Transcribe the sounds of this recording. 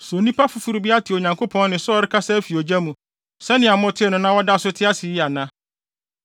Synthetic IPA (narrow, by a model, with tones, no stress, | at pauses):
so˨nĩ˦pa˦fʊ˨fu˨ɾu˨bi˦a˦tʰɪ˨o˨ɲã˨ŋkʰo˦pʰɔ̃˦nnɪ̃˨sɔ˦ɾɪ˦kʰa˦sɛ˦fi˨o˨d͡ʑa˦mũ˨ | sɛ˦nɪ̃˨a˨mʊ̃˦tʰɪ˦nʊ̃˨nã˦wɔ˦da˦˨sʊ˦tʰɪ˦a˦sɪ˨ji˦a˨nã˦